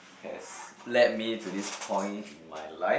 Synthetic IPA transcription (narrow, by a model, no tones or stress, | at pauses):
hɛ̰slɛt̚mitudispʰɔ̃ɪ̃ntĩnma̰jlaɪ